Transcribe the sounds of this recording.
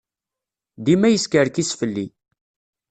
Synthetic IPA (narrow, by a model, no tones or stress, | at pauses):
d̪imæjəskəɾkisfəlːi